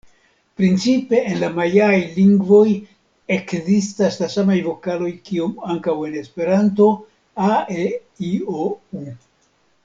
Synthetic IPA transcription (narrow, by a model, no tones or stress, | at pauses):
pɾint͡sipe̞enlamajaajliŋɡvo̞j | e̞kzistaslasamajvo̞kalo̞jkio̞maŋkawe̞ne̞spe̞ɾanto̞ | ae | iou